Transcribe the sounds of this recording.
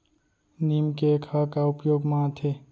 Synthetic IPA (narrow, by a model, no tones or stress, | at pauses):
niːmkekʰakaʊpjoːɡmãːt̪ʰeː